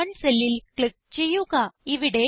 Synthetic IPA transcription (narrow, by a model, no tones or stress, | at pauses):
ɐɳsɛlːɪlkɭɪk̚t͡ʃejːukaːiʋɪɽe